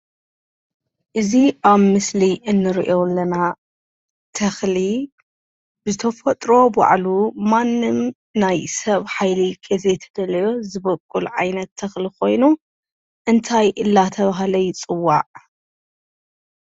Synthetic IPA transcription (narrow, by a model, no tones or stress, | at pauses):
ʔɨziʔaβmɨsliʔɨnːɨɾḭʔolːɐna | t̪ʰɐxli | bɨzɨt̪ʰɐfɐt̪ʼɾo̞ba̰ʕlumanːɨm | najsɐβħajliɡɐzet̪ʰɐd̪ɐlɐjo̞zɨβɐkʼːulʕa̰jnɐt̪ʰːɐxliko̞jnu | ʔɨnt̪ʰajʔɨlːat̪ʰɐβaɦlɐjt͡sʼɨwːa̰ʕ